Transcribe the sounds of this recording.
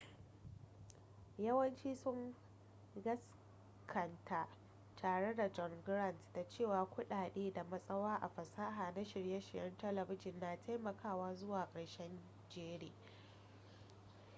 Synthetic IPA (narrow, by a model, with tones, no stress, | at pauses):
jɐ˦wɐ˦nt͡ʃiː˦sʊ˦ŋ | ɡɐ˦s | kʰɐ˨ntʰa˨ʔ | tʰaː˨ɽe˦da˨d͡ʒɔ˨ŋɡɾɐ˦˨ntda˨t͡ʃeː˦˨waː˨kʷʊ˦ɗaː˨ɗeː˦da˨mɐ˦sʼɐ˦waː˦ʔa˨ɸɐ˨saː˦ɦaː˨na˦ʃɪ˨ɽjɐ˦ʃɪ˨jɐ˦ntɛ˦lɐ˨bɪ˦d͡ʒɪ˨nːa˨tʰa˦jmɐ˨kaː˦˨waː˦zʊ˦waː˨kʼɐ˨ɽʃɛ˦n | d͡ʒeː˦ɽeː˨